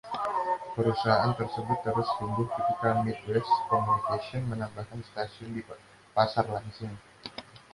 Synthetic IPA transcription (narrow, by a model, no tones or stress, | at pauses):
pəɾusaɦaʔant̪ərsəbʊt̪ːəɾʊst̪unbʊhkit̪ikamit̪̚wɛskomunikasiɔnmənambahkanst̪asiʊndi | pasarlansʊŋ